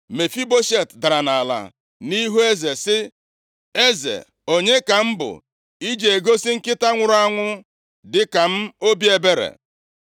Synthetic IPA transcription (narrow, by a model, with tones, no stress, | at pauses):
me˨fi˦bo˦ʃe˦˨tda˨ɾa˨na˨la̰˨ | ni˦ɦu˦e˦ze˨sɪ˦ | e˦zḛ˨ | o˨ɲe˦ka˨m̩˦bʊ̰˨ | i˦d͡ʒe˨e˨ɡo˦si˦ŋ̩˦kɪ˦ta˦ŋʷʊ˨ɾʊ˦a˦ŋʷʊ˦ | dɪ˨ka˨m̩˦o˦bi˦e˦be˦ɾḛ˨